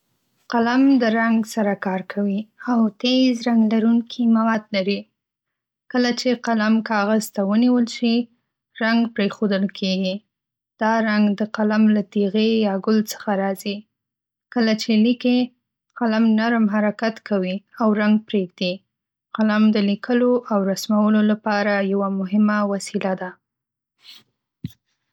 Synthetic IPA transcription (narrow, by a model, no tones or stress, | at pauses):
qalamd̪əɾaŋɡsaɾakɑɾkʰawiawt̪ezɾaŋɡlaɾuŋkʰimawad̪laɾi | kəlat͡ʃeqalamkɑɣazt̪awəniwəlʃi | ɾaŋɡpɾexod̪əlkʰeɡi | d̪̥ɑɾaŋɡd̪əqalamlat̪iɣejɑɡʊlt͡sə̥xaɾɑzi | kəlat͡ʃelike | qalamnaɾmɦaɾakat̪kawiawɾaŋɡ̚pɾeɡd̪i | qalamd̪əlikʰəloʔawɾasmawəlolapɑɾajawamʊɦɪmawasilad̪a